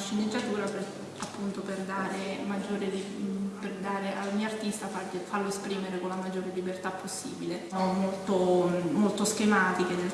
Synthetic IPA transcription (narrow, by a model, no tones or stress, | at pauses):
ʃinizjat̪uːɾape | apːunt̪operd̪aːɾemad͡ʒːoːɾeliperd̪aːɾeʔalɲioart̪ist̪afafaloespɾiːmeɾekonlamad͡ʒːoːɾelibert̪apːosːiːbileɔmːolt̪omolt̪oskemaːt̪iked̪e